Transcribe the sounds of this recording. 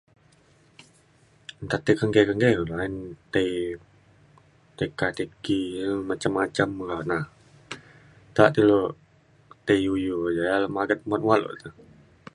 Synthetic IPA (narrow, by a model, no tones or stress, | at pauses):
nt̪at̪ikəŋɡekəŋɡekulaint̪e | t̪ekat̪ekiəmat͡ʃamːat͡ʃamɡanah | t̪aʔt̪ilo | t̪ejujod͡ʒajaləmaɡət̪̚mat̪walo̰ʔt̪u